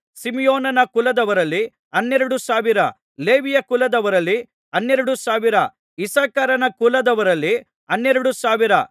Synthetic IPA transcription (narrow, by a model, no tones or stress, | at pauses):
simijoːnɐnɐkulɐd̪ɐʋɐɾɐlːi | ɐnːɛɾɐɽusaːʋiɾɐ | le̞ːʋijɐkulɐd̪ɐʋɐɾɐlːi | ɐnːɛɾɐɽusaːʋiɾɐ | isaːkɐɾɐnɐkulɐd̪ɐʋɐɾɐlːi | ɐnːɛɾɐɽusaːʋiɾɐ